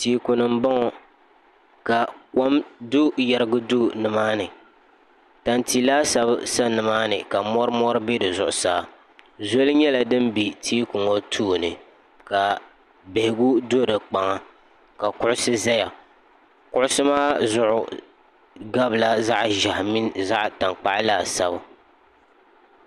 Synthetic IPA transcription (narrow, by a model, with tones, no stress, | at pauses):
tiː˨˦kʊ˨nɨ˨m̩˦bɔ˦ŋɔ˨ | ka˨ka˦mdʊ˦jɛ˨ɾɨ˦ɡʊ˦du˦nɨ˨maː˦nɨ˨ | ta˨nti˨laː˦sa˦bsa˦nɨ˨maː˦nɨ˨ka˨mɔ˦ɾɨ˦mɔ˦ɾɨ˦be˦dɨ˨zʊ˨ʔʊ˨saː˨ | zo˦lɨ˦ɲɛ˦la˨dɨ˦mbi˨tʰiː˦kʊ˨ŋo˦tʰuː˦˨nɨ˨ | ka˨ | be˨hɪ˨ɡu˦do˦ɾɨ˨k͡pa˨ŋa˦ | ka˨kʊ˦ʔʊ˦sɨ˦za˦ja˨ | kʊ˦ʔʊ˦sɨ˦maː˦zʊ˦ʔʊ̰˨ | ɡa˦bla˦za˦ʔʒa˨hmi˦nza˦ʔta˨ŋk͡pa˦ʔɪ˦laː˦˨sa˦ba˨